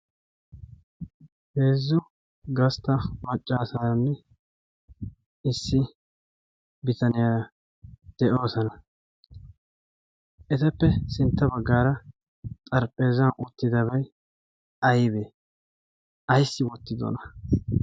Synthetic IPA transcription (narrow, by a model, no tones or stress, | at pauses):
heːzːʊ | ɡɐst̪ɐmɐt͡ʃʼːaːsaːɾɐnːɛ | ɪsːɪ | bɪt̪ɐnɪjaː | d̪̥ɛʔo̞ːsɐnɐ | ʔɛt̪ɛpːɛsɪnt̪ːɐbɐɡːaːɾɐ | t̪ʼɐɾpʼe̞ːzɐnʔʊt̪ːɪd̪ɐbɐj | ɐjbeː | ɐjsːɪwɔt̪ːɪd̪o̰nɐ